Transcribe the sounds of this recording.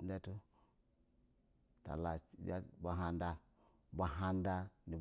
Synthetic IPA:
nde˦tu˦ | ta̰˨la˨t͡ʃba̰˦ba˨ɦa˨nda˦ | ba˨ɦa˦nda˦ni˨b

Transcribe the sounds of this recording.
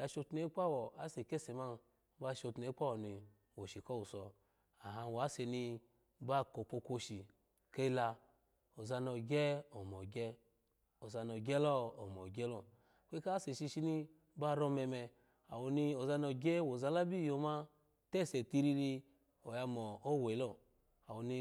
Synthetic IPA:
ja˧ʃo˧tne˦k͡pa˦˨wɔ˨a˨˦se˨ke˦˨se˨ma˦˨˦ | ba˧ʃo˧tne˨˦k͡pa˦wɔ˨ni˧ | wo˨ʃi˨kɔ˦wu˨sɔ˧ | a˨ɦa˧wa˨˦se˧ni˧˦ | ba˦˨ko˨˧k͡po˧kʷo˧ʃi˨ | ke˦i˦la˧ | o˨za˧nɔ˧ɡʲɛ˦o˨mɔ˨ɡʲɛ˦ | o˨za˧no˨ɡʲɛ˦lɔ˦o˨mɔ˨ɡʲɛ˦lɔ˦˨ | kʷe˦ka˦se˨ʃi˧ʃi˧ni˧˦ | ba˦ɾɔ˧mɛ˧mɛ˧ | a̰˨wo˧ni˧o˨za˧nɔ˧ɡʲɛ˦wo˨za˧la˦bi˦˨jo˨˧ma˦ | tɛ˦˨se˨ti˧ɾi˧li˧ | o˨ja˧mɔ˨o˦˨we˨˦lɔ˦˨ | a˨wo˧ni˧

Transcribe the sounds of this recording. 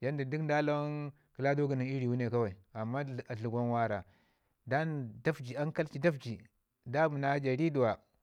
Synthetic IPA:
ja˦ndi˨di˦kn˦da˦la˦n | kə˨la˦do˦ɡi˨ni˨ŋi˦ɾi˨wu˦ne˨ka˦wa˨i˨a˨mːa˦˨a˨ɬu˨ɡʷo˦nwa˦ɾa˨ | da˦nda˦fd͡ʒi˨a˦ŋka˦lt͡ʃi˦da˦fd͡ʒi˨ | da˦bu˨na˦d͡ʒa˨ɾi˦du˨wa˨

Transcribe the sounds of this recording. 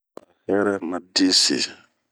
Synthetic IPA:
a˨hɛ˦ɾɛ˦ma˨de˦sḛ˨

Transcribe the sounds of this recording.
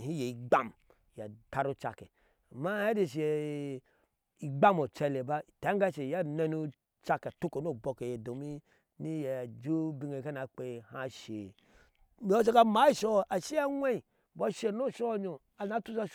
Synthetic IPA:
hi˦je˨i˨ɡ͡ba˦˨m | ja̰˨ta˨ɾu˦t͡ʃa̰˨ke˨ | a˨ma˦ja˦di˨ʃ̬e˨ | i˨ɡ͡ba˦mo˨t͡ʃe˧le˨ba˦˨ta˨˦ɡa˦ʃe˨ja˦˨ne˦nu˦ | t͡ʃa˧ke˨tu˦ko˨n˦o˦˨bo˨ke˨je˨do˨mi˦ | ni˦je˨d͡ʒu˦bi˨ŋe˨ka˦na˨k͡pe˨ha˦ʃe˨ | mi˨˦o˦ʃ̬e˦ka˦ma˨˦i˦˨ʃo˦a˨ʃi˦a˦wʷe˦i˨ | bo˦ʃe˨no˦˨ʃo˦ɲo˨ | a˨na˨˦tu˦sa˦

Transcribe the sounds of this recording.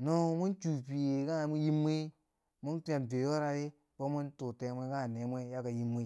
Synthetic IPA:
no˦mu˦nt͡ʃu˨pi˨je˨ka˦˨mu˦ji˦mːi˦ | mu˦ntu˦a˨n˨be˨jo˦ɾa˨ɾe˦ | bo˦mu˦ntu˨te˨˦mʷe˦ka˦˨ne˨˦mʷ˦e˦ja˦ka˨ji˦mːi˦

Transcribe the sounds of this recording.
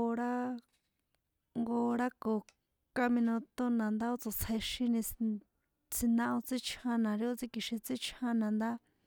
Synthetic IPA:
ɾa˦ | ŋɡo˧ɾa˦ko˨ | ka˧mĩ˧nõ˧t̪o˦nã˨nd̪a˦o˦t͡so˨t͡sʰe˧ʃĩ˦nĩ˧ | t͡si˧nã˧ʔo˧t͡si˦t͡ʃʰã˧nã˨ɾi˧˦o˦˧t͡si˧ki˧ʃĩ˧t͡si˦t͡ʃʰã˦nã˨nd̪a˦

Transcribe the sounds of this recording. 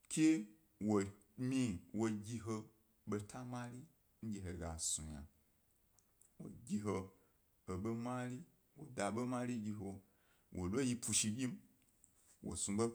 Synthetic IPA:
kʲe˦ | wo˨ | mi˦wo˧ɡʲi˧ɦo˧ | ɓo˧tʰa˦ma˦li˦ | n̩˦ɡʲi˨ɦo˧˨ɡa˨sũ˨ja̰˨ | wo̰˨ɡʲi˧ɦo˧ | ho˨ɓo˦ma˦li˦ | wo˨da˨ɓo˦ma˦li˦ɡʲi˧ɦo˧ | wʔo˨lʷo˦ji˧pʰu˧ʃi˧bʲi˦m̩˦ | wo̰˨sũ˧bo˦

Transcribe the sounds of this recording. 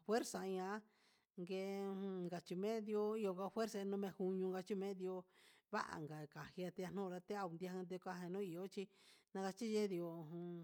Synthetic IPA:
fwe˦ɾsa˧ĩ˧ã˧˦ | ŋɡẽ˧ŋɡa˨t͡ʃi˧mẽ˦d̪i˧o˧i˧o˧ŋɡa˧fe˦ɾsa˧nũ˧mẽ˧hu˧ɲũ˧ŋɡa˧t͡ʃi˦mẽ˦d̪i˧o˧ | βa̰˦ʔa̰˨ŋɡa˨ka˨hi˧a˧t̪e˧a˧nũ˦˧ɾa˧t̪e˦a˧u˧nd̪i˧a˧hã˧d̪̬e˧kʷa˧ɦẽ˧nũ˦i˨o˦t͡ʃi˧nã˧ka˧t͡ʃi˦ʒe˦ði˧o˧˨ũ˧

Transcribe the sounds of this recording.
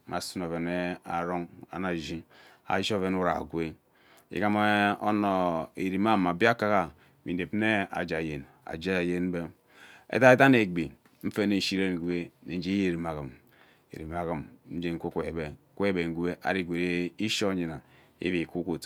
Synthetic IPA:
ma˨su˦no˨ve˨ne˦a˨ɾo˦ŋa̰˨na˨ʒi˦ | a̰˨˦ʃo˦˨ve˦nu˦ɾa̰˨ɡwe˦ | ḭ˦ka˦m˦o˦no˨e˨ɾi˨ma˦˨ma˨bi˦a˦ka˦ka˨ | mi˨n˨e˨pne˦a̰˨d͡ʒa˨je˨n | a̰˨d͡ʒa˦˨je˦n̩˦be˦ | ḛ˦ta˦e˦ta˦ne˨ɡ͡bi˨ | m̩˦fe˦ne˨ʃi˦ɾe˦˨ɡʷe˦ne˨˦d͡ʒe˦je˦˨ɾi˨m˨a˨ɣi˨m | ḛ˨ɾi˨m˨a˨ɣi˨mn̩˦d͡ʒe˦ŋ̩˦kʷo˦kʷo˨e˨be˨˦ku˦e˦be˨ŋ˨ɡʷe˦ʔa̰˨ɾi˦˨ɡʷe˨ɾe˦i˦ʃo˦ɲi˨na˨ | ḭ˦βi˨ku˦ko˨t

